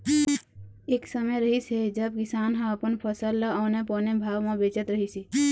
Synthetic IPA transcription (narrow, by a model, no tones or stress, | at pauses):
eːksəməɾəɦised͡ʒəb̚kɪsaːnɦãəpənpʰəsəlːəɔːnepoːnẽbʱaːʋmãbeːt͡ʃət̪ɾəɦisi